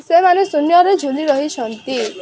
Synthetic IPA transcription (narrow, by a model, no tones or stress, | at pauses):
semanesunjɔɾed͡ʒʱuliɾɔɦit͡ʃʰɔnt̪i